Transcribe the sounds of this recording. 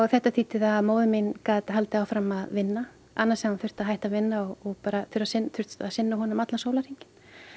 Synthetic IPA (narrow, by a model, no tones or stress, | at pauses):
θɛht̪ːat̪ʰiːt̪ɪðaðmoːwðʏminkaːt̪aɦalt̪ɪawfɾamaðvɪnːa | anːasɛmanfʏr̥t̪aðɦajht̪avɪnːaɔɣɔɣpaːɾaθɪɾasɪnθʏr̥t̪aðsɪnːaɦɔːnʏmat̪lansoːwlaɾ̥iɲcɪ̥n